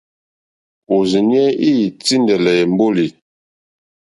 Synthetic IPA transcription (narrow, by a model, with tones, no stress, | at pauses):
o˨zi˨n˦ɛ˦i˦˨t͡si˦ndɛ˨lɛ˨ɛ˨m˦bo˦li˨